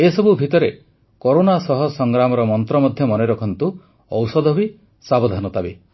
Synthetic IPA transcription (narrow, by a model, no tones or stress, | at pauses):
esɔbubʱit̪ɔɾe | koɾonasɔɦɔsɔŋɡɾamɔɾɔmɔnt̪ɾɔmɔd̪ʱjɔmɔneɾɔkʰɔnt̪u | ɔwsɔd̪ɔbi | sabɔd̪ʱanɔt̪abe